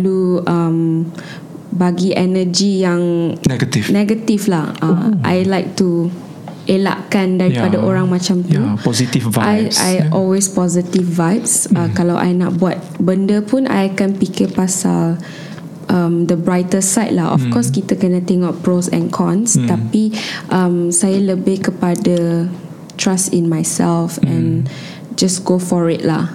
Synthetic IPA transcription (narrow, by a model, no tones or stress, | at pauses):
luʔəm | baɡiʔɛnəd͡ʒijaŋɡt̪ifnɛɡət̪iflahəʔa̰jlajk̚t̪u | ʔela̰ʔkandaɾippadaʔoɹãŋmãt͡ʃamt̪upɔzit̪ifvaajʔa̰jʔɔlwespɔzit̪ifvajp̚sakalawʔa̰jna̰t̚buat̪̚bəndəpunʔa̰jakanpikəpasa̰l | ʔə̃mdəbɹajt̪əsajt̚lahɔ̰fkɔskit̪əkənãt̪ɛŋoʔ̚pɹosɛ̰̃nkʰɔ̃nst̪apiʔãmsajaləbɪhkəpadə | t̪ɹasĩnmajsɛlfɛ̃n | d͡ʒasɡofɔɹit̚lah